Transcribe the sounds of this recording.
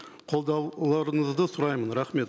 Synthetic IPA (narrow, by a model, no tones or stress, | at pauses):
qʰo̞lˠd̪ɑwlˠɑɾəɴəzd̪əsʊɾɑjmənɾɑχme̞t̪